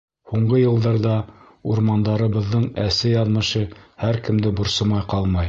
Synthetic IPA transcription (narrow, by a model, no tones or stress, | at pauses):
huɴɢɤjɤ̆lˠd̪ɑɾðɑ | uɾmɑnd̪ɑɾɤ̆βɤ̆ðːɤɴæsɘjɑðmɤ̆ʃɤhæɾkɘ̆md̪ɘbŏɾsɤmɑjqɑlˠmɑj